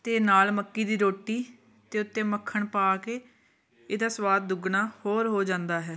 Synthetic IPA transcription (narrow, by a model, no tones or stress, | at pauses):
t̪eːnaːlməkːiːd̪iːɾoːʈːiː | t̪eːʊt̪ːẽːməkʰːəɳpaːkeː | eːd̪aːswaːd̪̚d̪ʊɡɳaːhoːɾɦoːd͡ʒãːnd̪aːɦɛː